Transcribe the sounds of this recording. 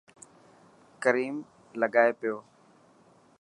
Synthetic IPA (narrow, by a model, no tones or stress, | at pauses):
kəɾiːm | ləɠaːeːpɪjoː